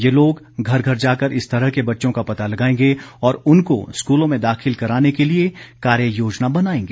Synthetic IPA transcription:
jeloːɡ | ɡʱɐɾɡʱɐɾd͡ʒaːkəɾɪst̪ɐɾəɦkebɐtːʃõkapɐt̪alɐɡaːẽːŋɡeɔːɾʊnko̰skuːlõmẽd̪aːxɪlkɐɾaːnekeliekaːɾjəjoːd͡ʒnabɐnaːẽːŋɡeː

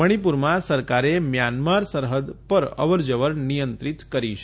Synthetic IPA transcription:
əɽ̃ipuɾmãsəɾkaɾemjanmaɾsəɾɦəd̪pəɾə̰ʋəɾd͡ʒəʋəɾnijənt̪ɾit̪kəɾiʃ

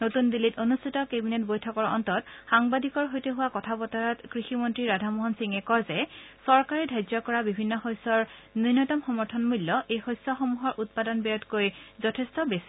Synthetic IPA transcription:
notundilitonustʰitɔkebinetbojtʰɔkɔɹɔ̰ntɔtxaŋbadʱikɔɹɦojteɦʊwakɔtʰabɔtaɹɔtkɹiximɔntɹiɹadʱamoɦɔnsiŋɛkɔɹzɛsɔɹkaɹidʱajzɔkɔɹabibʱinːɔxojsɔɹnunːɔtɔmxɔmɔɹtʰɔnmulːɔʔejxojsɔxomuɦɔɹʔut̚padɔnbɛɔtkojzɔtʰɛstɔbesi̥

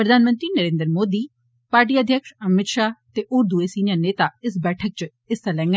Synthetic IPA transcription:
pɾəd̪ʱaːnmə̃nt̪ɾiːnəɾẽːnd̪ɾmoːd̪iː | paːɾʈ̬iːəd̪ʱjəkʃəmɪt̪ʃaːt̪eːʔʊɾd̪ueːsiːnaneːt̪aːɪsbɛːʈʰək̚t͡ʃ | ɪst̪alɛ̃ːŋɡɛ

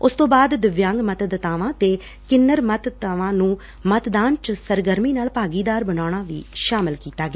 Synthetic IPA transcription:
ʊst̪õːbaːd̪d̪ɪʋjãːŋɡmət̪d̪ət̪aːʋãːt̪eː | kɪnːəɾmət̪t̪aːʋãːnũː | mət̪d̪aːnt͡ʃsəɾɡəɾmiːnaːlpaːɡiːd̪aːɾbənaːɽ̃ãːʋḭːʃaːmɪlkiːt̪aːɡeː

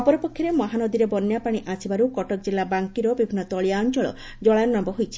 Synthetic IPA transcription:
ɔpɔɾɔpokʰjɔɾemɔɦanɔd̪iɾebɔnːjapaɽ̃iʔasʰibaɾukɔʈɔk̚d͡ʒilːabaŋkiɾɔbibʱinːɔt̪ɔɭiaɔnt͡ʃɔɭɔ̰ | d͡ʒɔɭajnɔnambɔɦojt͡ʃʰi̥

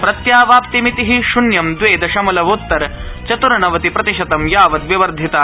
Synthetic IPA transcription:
pɾɐt̪jaːʋaːpt̪imit̪iɦiʃunjɐmd̪ʋeːd̪ɐʃɐmɐlɐʋut̪ːɐɾt͡ʃɐt̪uɾɐɳɐʋɐt̪ipɾɐt̪iʃɐt̪ɐmjaːʋɐt̪ʋiʋɐɾd̪ʱit̪aː

